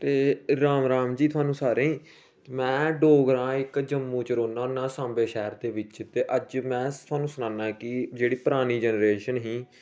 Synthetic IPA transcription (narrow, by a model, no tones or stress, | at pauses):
t̪eːɾaːmɾaːmd͡ʒiːt̪ʰʊaːnũːsaːɾẽːĩː | mɛ̃ːɖoːɡɾãːɪkd͡ʒəmːũːt͡ʃɾoːnãːnːãːsãːmbeːʃɛːɾd̪eːʋɪt͡ʃt̪eːʔəd͡ʒmɛ̃ːt̪ʰʊaːnũːsʊnãːnãːɛːkɪd͡ʒeːɽiːpəɾaːniːd͡ʒɛnɾeːʃənɦĩː